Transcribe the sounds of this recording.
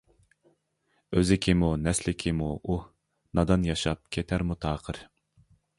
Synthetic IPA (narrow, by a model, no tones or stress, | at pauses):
øzɪkʲʰimunɛslɪkʲʰimuu | nɑd̪ɑnjɑʃɑp̚kʲʰet̪ʰæɾmut̪ʰɑːqʰəɾ